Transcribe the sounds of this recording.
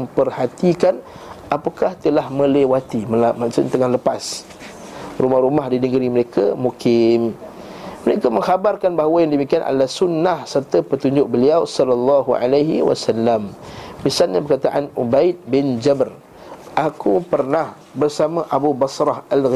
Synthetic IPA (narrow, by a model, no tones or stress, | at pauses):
pərhat̪ikan | ʔapakaht̪əlahmə̃lewat̪iməmat͡ʃənt̪əŋaləpas | rumahɾumahdinəɡəɾiməɾekʰamukɪm | məɾekamə̃ŋhabarkanbaɦwəjaŋdəmikianʔa̰lasunːahsərt̪apət̪uɲd͡ʒʊk̚bəliawsɔlalːɑɦua̰laɦiwa̰salːammisalɲabərkat̪aʔanubaɪt̪̚bɪnd͡ʒabər | ʔakupərnah | bərsamaʔabubasɾɑhalɣ